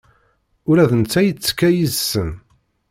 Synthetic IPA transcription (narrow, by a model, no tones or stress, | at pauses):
ʊɾæðənt͡sːæjət͡sːə̥kːæjizsən